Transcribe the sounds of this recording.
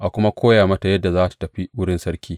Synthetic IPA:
ʔa˨kʷʊ˦ma˦kʷoː˦jaː˨mɐ˦ta˨jɐ˦dːa˨zaː˦tḁ˨tɐ˨ɸi˦wʊ˦ɽɪ˦nsɐ˦ɾkʲiː˦

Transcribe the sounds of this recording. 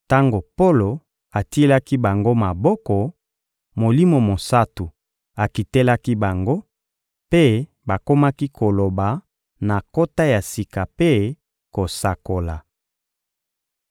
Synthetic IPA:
ta˦ŋɡo˨po˦lo˨ | a˨ti˦e˦la˦ki˦ba˨ŋɡo˦ma˨bɔ˦kɔ˨ | mo˨li˦mo˨mo˨sa˦tu˨ | a˨ki˨te˦la˦ki˦ba˨ŋɡo˦ | pe˦ | ba˨ko˦ma˦ki˦kʰo˨lo˨ba˨ | na˨ko˦ta˦ja˨si˨ka˨pe˦ | ko˨sa˨ko˨la˨

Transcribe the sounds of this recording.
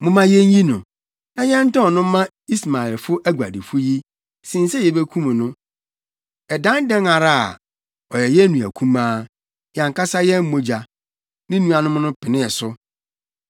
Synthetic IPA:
mʊ̃˨mã˨jɛ˦ɲ˦ɲĩ˦nʊ̃˨ | nã˨jɛ̃˦n̩˦tɔ̃˦ɔ˨nʊ̃˦mã˦ | i˦sma˨ɛ˨lfʊ˦ʔæ˦ɡʷa̰˨di˨fʊ˦ji˦ | sĩ˨n̩˦sɛ˦jɛ˨be˦kʰũ˦mũ˨nʊ̃˦ | ɛ˨dã˦n˦dɛ̃˦ŋa˨ɾa˦a̰˨ | ɔ˨jɛ˨jɛ˦nũ˨æ˨kʰũ˦mãː˦ | jã˨ŋkʰa˦sa˦jɛ˦m̩˦o˦d͡ʑa˨ | nɪ̃˦nũ˦a˨nʊ̃˦mʊ̃˦nʊ̃˦pʰɪ˨nɪ̃˦ɛ˨sʊ˦

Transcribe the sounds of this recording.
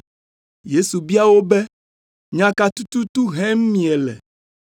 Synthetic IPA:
je˦su˨bi˦a˦wo˦bɛ˦ | ɲã˦ka˦t̪u˦t̪u˦t̪u˦ɦɛ̃˦m˦mĩ˨ɛ˨lɛ̰˨

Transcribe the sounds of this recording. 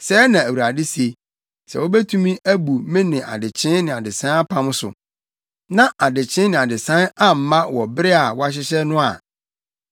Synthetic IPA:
sɛ˦nã˨æ˨wu˨ɾa˨dɪ˦si˨e˨ | sɛ̰˨wo˦bɛ˦tʰũ˦mĩ˦ʔæ˦bu˨mɪ̃˦nɪ̃˨ʔa̰˨dɪ˨t͡ɕʰɪ̃˦nnɪ̃˨a˨dɪ˨sã˦a˦pʰã˦m̃˦sʊ̰˨ | nã˦ʔa˨dɪ˨t͡ɕʰɪ̃˦nɪ̃˨a˨dɪ˨sã˦a˦m̩˦mã˦wɔ˨bɪ˦ɾɪ˦a˨wɔ˦a˦ɕ̬ɪ˦ɕɛ˦nʊ̃˦a̰˨

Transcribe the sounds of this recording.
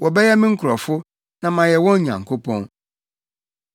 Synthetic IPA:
wɔ˨bɛ˦jɛ˦mɪ̃˦ŋ̩˦kʰʊ˨ɾɔ˨fʊ˦ | nã˨mã˨jɛ˨wɔ̃˦ɲ˦ɲã̰˨ŋ̩˨kʰo˦pʰɔ̃˦n

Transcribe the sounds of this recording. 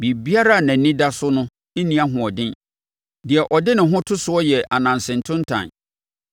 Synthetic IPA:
bi˨bi˦a˦ɾa˦˨nã˨n˦nĩ˦da˦sʊ˦nʊ̃˦ | e˦nĩ˦a˦ɦʊ̃˨ɔ˨dɪ̃˦n | dɪ˨ɛ˨ʔɔ˨dɪ˦nɪ̃˨ɦʊ̃˦tʰʊ˦sʊ˨˦ɔ˦jɛ˨ʔa˨nã˨nsɪ̃˨n˨tʰʊ̃˦n˦tʰã̰˨n

